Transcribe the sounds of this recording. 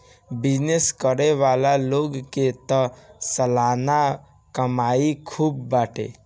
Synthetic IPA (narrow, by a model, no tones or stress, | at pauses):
bid͡ʒneskəɾeʋalaloɡket̪əsəlana | kəmaikʰuːbːaʈḛ